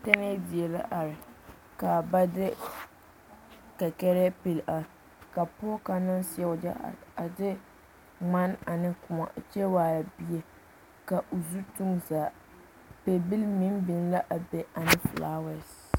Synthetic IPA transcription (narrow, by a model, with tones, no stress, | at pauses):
tɛ˦nɛ˦di˨ɛ˨la̰˦ʔa˨ɾɪ˨ | ka˨ba˦dɪ˦ | ka˨kɛ˦ɾɛ˦pe˨la˨ɪ˨ | ka˨pɔ˦ka˨nɪ˦nsɪ˦ɛ˦ʊ˦d͡ʒa̰˦ʔa̰˨a˨dɪ˦ | ŋ͡ma˦na˨nɪ˦kʊ˨ma̰˨t͡ʃɛ˦waː˨ja˨bi˦e˨ | ka˨ʔo˨zu˦tu˦ŋzaː˨ | pe˨bi˦lmi˦nbɪ˨nla˦ʔa˨be˨a˨nɪ˦flaː˦wɛ˦s